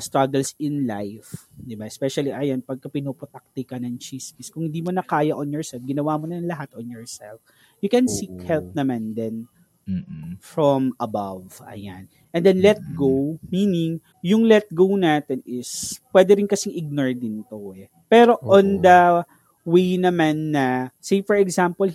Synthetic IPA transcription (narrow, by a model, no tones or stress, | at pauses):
st̪ɹaɡɛlsɪnlajfd̪ɪbaʔɛspɛʃɐliʔɐjanpɐɡ̚kɐpɪnopot̪ak̚t̪ɪkɐnɐŋt͡ʃiskɪskʊ̃ŋhɪnd̪iːmonɐkaːjɐʔonjɔɹsɛlfɡɪnɐwamonɐŋlɐɦat̪onjɔɹsɛ̰lf | jʊkɛnsikhɛlp̚nɐmand̪ɛn | fɹomɐba̰vʔɐ̰ja̰n | ʔɛ̃nd̪ɛnlɛt̪̚ɡowminɪŋ | jʊŋlɛt̪̚ɡownaːt̪ɛnɪspwɛːd̪ɛɾɪnkɐsɪŋʔɪɡ̚nɔɹd̪ɪnt̪oʔɛ | pɛːɾo̞ʔõnd̪ɐ | wejnɐmanːɐsejfɔɹɛɡzampol